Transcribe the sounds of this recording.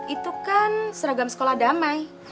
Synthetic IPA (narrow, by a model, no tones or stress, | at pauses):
it̪ukansəɾaɡamsə̥kolahdamaj